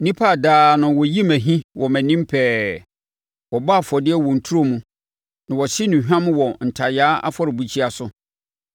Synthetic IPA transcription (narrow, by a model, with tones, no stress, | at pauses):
nĩ˦pʰa˦˨daː˨˦nʊ̃˨wɔ˨ji˦mæ̃˨ɦĩ˦wʔɔ˨mæ̃˨nĩ˦mpʰɛː˦ | wɔ˨ba˦˨fɔ˨dɪ˦ɛ˦˨wɔ̃˨n̩˨tʰu˦ɾo˦mũ˨ | nã˨wɔ˨ɕi˦nʊ̃˨ɦᶣã˦mʊ̃˦wɔ̃˨n̩˨tʰa˨jaː˦a̰˦fɔ˦ɾɪ˨bu˨t͡ɕʰi˦a˨sʊ˨